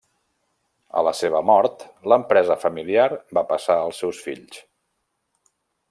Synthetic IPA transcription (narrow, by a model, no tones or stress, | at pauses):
ə̰ləseβ̞əmɔɾt̪ləmpɾɛzəfəmiliaɾbapəsaəlˠsɛwsfiʎs